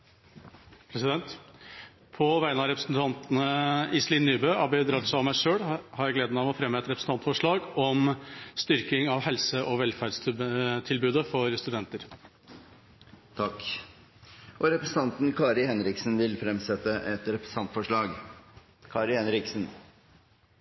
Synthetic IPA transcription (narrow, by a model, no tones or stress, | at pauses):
pʰɾɛsɪd̪ɛnt̪ | pʰɔʋæɪənɑɾɛpɾəsnt̪ʰɑnt̪nəɪslinːyːbøːɑbɛd̪ɾɑt̪sɔɑʋmæɪʂøːɽhɑɾjæɪɡleːd̪ənɑʋɔfɾɛmːəɛt̪ɾɛpɾəsn̩t̪ʰɑnt̪fɔʂɭɑːɡɔmst̪ʏɾkɪŋɑʋɦɛlsəʔɔʋɛlfæɖst̪ʰɪlbʉːd̪əfɔɾst̪ʉd̪ɛnt̪əɾ | t̪ʰɑkː | ʔɔɾɛpɾəsn̩t̪ɑnt̪n̩kʰɑːɾɪhɛnɾɪksn̩ʋɪlfɾɛmsɛt̪ːəʔɛt̪ɾɛpɾst̪ʰɑnt̪fɔʂɭɑːɡ | kʰɑːɾɪhɛnɾɪksn̩